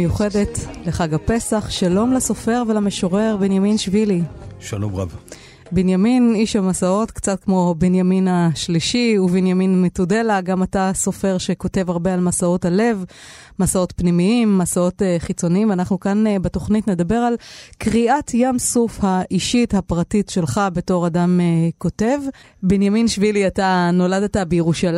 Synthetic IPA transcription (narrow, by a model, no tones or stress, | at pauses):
ejuχe̞de̞tleχaɡape̞saχʃalo̞mlaso̞fe̞ʁvelameʃoʁe̞ʁbenjaminʃviliʃalomʁa̰v | binjaminiʃhamasao̞tkt͡sat̚kmo̞benjaminaʃliʃiuvinjaminmetude̞laɡamataso̞fe̞ʁʃe̞ko̞te̞vaʁbe̞almasao̞thale̞v | masao̞tpnimiimːasao̞teχit͡so̞niimanaχnukanbeto̞χnitne̞dabe̞ʁalkʁiʔatjamsufhaʔiʃithapʁatitʃe̞lχabe̞to̞ʁadameko̞te̞v | binjaminʃviliatano̞ladatabejeʁuʃal